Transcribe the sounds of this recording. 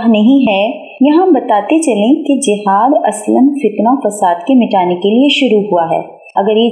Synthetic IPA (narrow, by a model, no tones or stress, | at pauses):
ɦnɐɦĩɦɛ | jɐɦãbɐt̪aːt̪et͡ʃɐlẽked͡ʒɪɦaːd̪ɐ̰sləmfɪt̪nafɐsaːd̪kemɪʈaːnekelieʃʊɾuɦuaɦɛ̰ː | ɐɡəɾje